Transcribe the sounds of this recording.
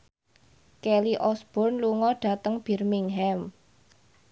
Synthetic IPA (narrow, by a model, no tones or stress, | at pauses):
kɛliʔɔsb̥ɔ̤rnluŋɔɖ̥a̤t̪əŋb̥ɛ̤rmiŋɦɛm